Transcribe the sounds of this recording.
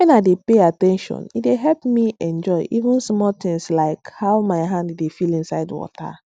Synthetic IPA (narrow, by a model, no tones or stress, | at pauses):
wɛ̃naɪdepeatɛ̃nʃɔ̰̃nit̚deɦɛlpmiɛ̃nd͡ʒɔɪʔivũnsmɔt̪ɪ̃ŋslaɪkhaʊmaɪɦãndːefilĩnsaɪdwɔ̰ta̰